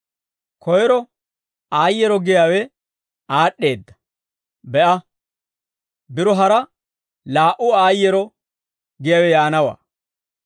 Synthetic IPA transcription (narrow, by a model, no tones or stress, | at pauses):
kʰɔjɛɾɔ | aːjːɛɾɔɡɪjaːwɛ | aːɗːe̞ːd̪ːɐ̥ | bɛʔɐ | bɪɾɔɦɐɾɐ | laːʔʊaːjːɛɾɔ | ɡɪjaːwɛjaːnɐwa̰ː